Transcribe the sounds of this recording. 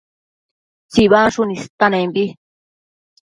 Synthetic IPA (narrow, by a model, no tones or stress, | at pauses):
t͡siβaʂunĩst̪anẽmbi